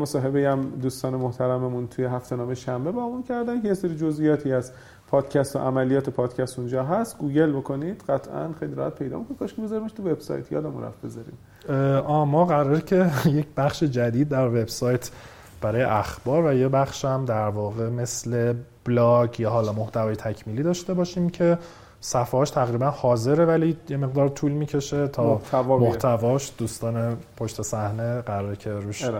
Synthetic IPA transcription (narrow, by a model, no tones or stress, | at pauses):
mosɒːɦe̞bejæmd̪uːst̪ɒːnemoht̪ʰæɾæmemunt̪ʰujeɦæft̪ʰe̞nɒːmeʃæmbe̞bɒːmuncʰæɾd̪æmkʰejeseɾiːd͡ʒo̞zʔijɒːt̪ʰiːæz | pʰɒːd̪̥cʰæst̪o̰ʔæmælijɒːt̪ʰe̞pʰɒːd̪cʰæst̪und͡ʒɒːɦæst̪ɡuːɟe̞lbo̞kʰo̞nid̪̥ɢæt̪ʰʔæ̰nxejliɾɒ̰hæt̪̚pʰe̞jd̪ɒ̰mikonkʰɒʃkʰebezɒɾimeʃt̪ʰuve̞b̥sɒ̰jt̪ʰjɒ̰ːd̪æmṵnræ̰fbe̞zɒɾḭm | ʔɒːmɒːɣæɾɒɾcʰejecʰbæχʃed͡ʒæd̪iːd̪̚ːæɾve̞bsɒːjt̪ʰ | b̥æɾɒːjḛʔæxb̥ɒːɾvæjebæχʃæmd̪æɾvɒːɣe̞me̞sle̞b̥lɒɟjɒːɦɒːlɒːmoht̪ʰævɒːjet̪ʰæcʰmiːliːd̪ɒːʃt̪e̞bɒːʃiːmcʰe̞ | sæfhɒʃt̪ʰæɣɾiːbænhɒːze̞ɾevælijeme̞ɣd̪ɒːɾt̪ʰuːlmiːcʰe̞ʃe̞t̪ʰɒːt̪ʰævmoht̪ʰævɒːʃd̪uːst̪ɒːnepʰoʃt̪ʰe̞sæhneɢæɾɒɾecʰeɾuːʃ